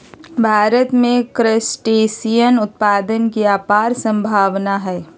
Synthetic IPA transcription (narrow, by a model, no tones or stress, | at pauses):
bʱaːɾət̪mẽkɾəsʈeːsijənʊt̪̚paːd̪ənkiaːpaːɾsə̃mbʱaːʋnaɦɛː